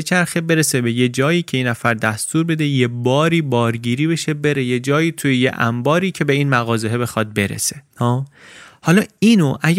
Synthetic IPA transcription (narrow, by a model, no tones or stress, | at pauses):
et͡ʃʰæɾxebe̞ɾesebe̞je̞d͡ʒɒːjiːcʰe̞iːnæfæɾd̪æst̪uːɾbe̞d̪e̞jebɒːɾiːbɒːɾɟiːɾiːbe̞ʃe̞be̞ɾe̞je̞d͡ʒɒːjiːt̪ʰujejḛʔæ̰mbɒːɾiːcʰe̞beiːnmæɣɒːzeɦebe̞xɒːd̪̚be̞ɾḛsehɒːhɒːlɒːiːnoʔæ